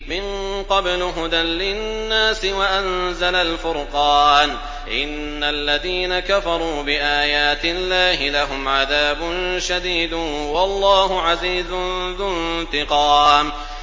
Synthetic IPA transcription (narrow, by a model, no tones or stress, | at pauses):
mɪn | qɑblɦʊd̪anlɪnːaːsɪwaʔanzalalfʊɾqɑːn | ʔɪnːalːaðiːnakafɑɾˤuːbɪʔaːjaːt̪ɪlːaːhɪlaɦʊmʕaðaːbʊnʃad̪iːd̪ | wɑlˤːɑːhʊʕaziːzʊnðʊnt̪ɪqɑːm